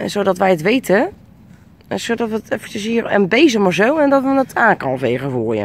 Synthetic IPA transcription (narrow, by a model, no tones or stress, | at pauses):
ɛnsoːdɔtʋɛjətʋejtʰə | soːdɔtʋətɛfət͡ʃəshiːrə̰nbejzəmɔrzowɛndɔtʋənətaːŋkɔnfeːχəfuːjə̰n